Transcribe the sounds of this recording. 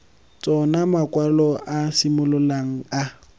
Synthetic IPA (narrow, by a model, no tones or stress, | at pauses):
t͡sʼɔnamakʼwalɔʔasimʊlʊlaŋ̩a